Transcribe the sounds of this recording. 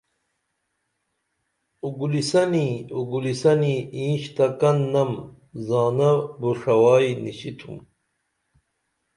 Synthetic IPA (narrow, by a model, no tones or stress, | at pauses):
uɡulisɐniuɡulisɐniĩːɕt̪ɐkɐnːɐm | zaːnɐbuʂɐwaːiniɕit̪ʰṵm